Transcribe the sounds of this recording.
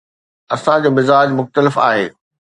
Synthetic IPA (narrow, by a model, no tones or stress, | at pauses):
ɐsãd͡ʑoːmɪzaːd͡ʑmʊxt̪əlɪfa̰ːɦeː